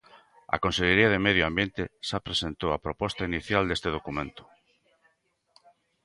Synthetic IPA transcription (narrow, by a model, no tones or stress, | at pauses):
ɐ̰kõnseʎeɾiaðemeðjoambjent̪ɪʃapɾesent̪owapɾopɔst̪ainiθjald̪est̪eð̞okumẽnt̪ʊ̥